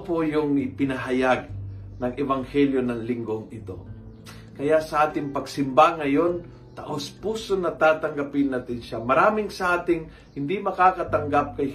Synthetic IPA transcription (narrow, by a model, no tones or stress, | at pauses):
pojʊŋɪpɪnɐɦɐjaɡ̚ | nɐŋʔɛvɐŋhɛljo̞nɐŋlɪŋɡoŋɪt̪o̞̰ | kɐjasɐʔaːt̪ɪŋpɐɡsɪmbaŋɐjo̞n | t̪ɐʔospuːsonɐt̪aːt̪ɐŋɡɐpɪnːat̪ɪnʃamɐɾaːmɪŋsɐʔaːt̪ɪŋ | hɪnd̪imɐkaːkɐt̪ɐŋɡap̚kɐj